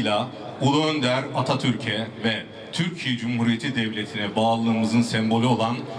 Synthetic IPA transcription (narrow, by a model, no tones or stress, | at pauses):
lʲa | ulˠuønd̪æɾat̪ʰat̪ʰyɾcʰɛvɛ | t̪ʰyɾcʰijɛd͡ʒumhuɾije̞t̪ʰid̪ɛvlʲe̞t̪ʰinɛbaːlˠɯːmɯzɯnsɛmbo̞lʲyo̞lˠan